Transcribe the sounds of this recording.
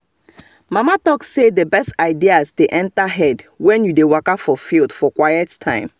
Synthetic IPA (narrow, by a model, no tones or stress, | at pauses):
mamatɔksedəbɛstaɪdiazteʔɛ̃ntaɦɛdwɛ̃njudewakafɔfilˠdfɔkwajɛttʰãɪ̃m